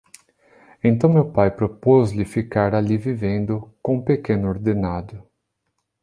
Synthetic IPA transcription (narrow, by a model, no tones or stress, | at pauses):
ẽnt̪ɐ̃w̃mewpajpɾopozlɪfikaɾalivivẽnd̪ʊkõpekẽnʊoɾd̪enad̪ʊ